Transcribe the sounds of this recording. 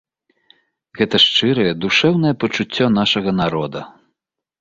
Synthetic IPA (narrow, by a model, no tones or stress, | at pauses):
ɣɛt̪ɐʂt͡ʂɨɾɐjɛd̪uʂɛwnɐjɛpɐt͡ʂut͡sʲːɔnaʂɐɣɐnaɾɔd̪ɐ